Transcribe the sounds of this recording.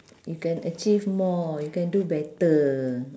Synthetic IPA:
jukɛ̃nət͡ʃifmɔjukɛ̃ndubɛtə

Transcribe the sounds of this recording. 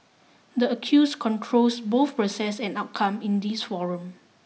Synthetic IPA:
dəəkʰjuskʰɔ̃ntʰɹolsboθpɹosɛsɛ̃naʊt̚kʰãmĩndisfɔɹə̃m

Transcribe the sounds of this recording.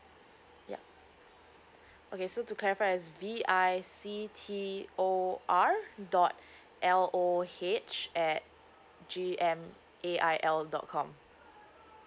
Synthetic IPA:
ja̰ | ʔokesotuklɛɹifaɪɛsviaɪsitʰioʔaɹdɔt̚ | ʔɛlohet͡ʃɛt̚ | d͡ʒiɛ̃m | ʔeʔaɪʔɛldɔ̰t̚kʰɔ̃m

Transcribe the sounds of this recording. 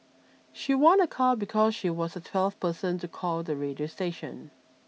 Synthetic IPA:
ʃiwɔ̃nəkʰɔlbikʰɔzʃiwɔzətʰw̥ɛlˠfpʰɜsə̃ntukʰɔlˠðəɹediosteɪʃə̰̃n

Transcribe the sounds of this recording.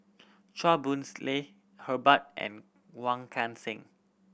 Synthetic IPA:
t͡ʃabũnsle | həbat̚ʔɛ̰̃n | wãŋkʰãnsɪ̃ŋ

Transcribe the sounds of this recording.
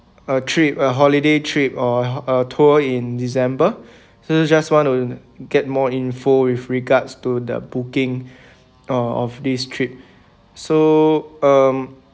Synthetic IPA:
ətʰɹip̚əɦɔlidetʰɹipɔətʰoĩndisɛ̃mbə | sod͡ʒaswɔ̃ntu | ɡɛt̚mɔĩnfowifɹiɡadstudə̰bukɪ̃ŋ | əɔfdistʰɹip̚ | so | ʌm

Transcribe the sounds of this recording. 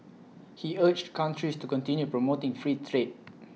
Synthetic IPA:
hiət͡ʃtkʰãntʰɹistukɔ̃ntĩnjupɹɔmotɪ̃ŋfɹitʰɹed̚

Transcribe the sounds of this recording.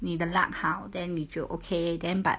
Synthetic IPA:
nidəla̰k̚hawdɛ̃nːid͡ʒoʔokʰedɛ̃nba̰

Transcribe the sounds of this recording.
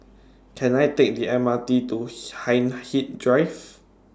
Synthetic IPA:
kʰɛ̃najtek̚diɛ̃matituhãjnhit̚dɹajv

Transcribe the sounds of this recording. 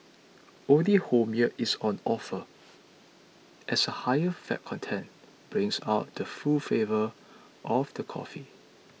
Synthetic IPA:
õnlihomiəʔisɔ̃nɔfə | ʔɛsəhajəfɛ̰t̚kʰɔ̃ntʰɛ̃n | b̥ɹɪ̃ŋsa̰ʊt̚dəfufevə | ʔɔfd̥əkʰɔ̰fi

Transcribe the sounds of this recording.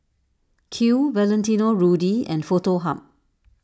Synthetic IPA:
kʰuvɛlɛ̃ntinoɹudiɛ̰̃nfotoɦã̰p̚

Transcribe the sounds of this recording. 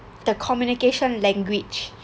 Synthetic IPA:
d̥̪əkʰɔmjunikeʃɔ̃nlɛ̃ŋɡwid͡ʒ

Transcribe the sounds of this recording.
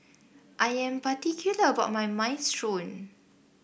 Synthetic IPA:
ʔajɛ̃mpatikʰjuləəbat̚majmãjnstɹõn

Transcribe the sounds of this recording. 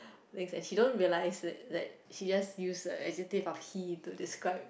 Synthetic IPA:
t̪ɛ̃ŋsɛ̃nʃidõnɹiəlaɪsdɛt̚dɛ̰t̚ʃid͡ʒasjusəʔɛd͡ʒitivɔfhitudɪskɹaɪp̚

